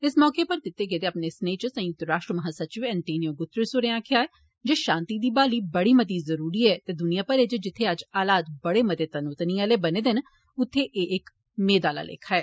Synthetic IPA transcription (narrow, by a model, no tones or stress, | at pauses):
ɪsmɔːkepəɾk̪ɪt̪ːeːk̬et̪eːapneːsneːt͡ʃsə̃jʊt̪əɾɾaːʃʈɾəmɐɦãːsət͡ʃɪʋɛ̃ːɳʈeːnijoːɡʊt̪ːɾɪsʊɾeːãːkʰɪaːɛː | d͡ʒeːʃãːnt̪iːd̪iːbaːliːbəɽiːmət̪̬iːzəɾuːɾiːɛːt̪eːd̪ʊnijãːpəɾet͡ʃd͡ʒɪt̪ʰːeəd͡ʒaːlaːt̪̚bəɽeːmət̪eːt̪ənuːt̪niːaːleːbəneːd̪ɪn | ʊt̪ʰːeʔeːʔɪk | meːd̪aːla̰ːlḛːkʰaːɛː